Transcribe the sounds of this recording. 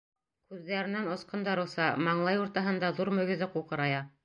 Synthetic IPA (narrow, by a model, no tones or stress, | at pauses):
kʉðːæɾɘ̆nænŏsqɤ̆nd̪ɑɾɤ̆lˠsɑmɑɴlˠɑjuɾt̪ɑɦɤ̆nd̪ɑðuɾmɵ̆ɡɘ̆ðɘquqɤ̆ɾɑjɑ